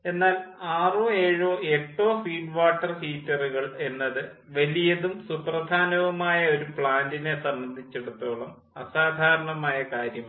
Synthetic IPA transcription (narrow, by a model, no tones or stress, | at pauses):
e̞nːaːlaːroeːɻoːeʈːo̞ːfiːɖʋaːʈːɐrhiːtːɐruɣɐɭe̞nːɐðɨ | ʋɐlijɐðumsuprɐd̪ʱaːnɐʋumaːjɐo̞ɾupɭaːndine̞sɐmbɐnd̪ʱit͡ɕːeɽut̪ːoːɭɐm | ɐsaːd̪ʱaːɾɐɳɐmaːjɐkaːɾjɐm